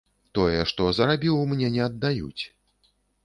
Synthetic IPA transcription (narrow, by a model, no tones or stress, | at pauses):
t̪ɔjɛʂt̪ɔzɐɾabʲiwmnʲɛnʲɛɐd̪ːajṵt͡sʲ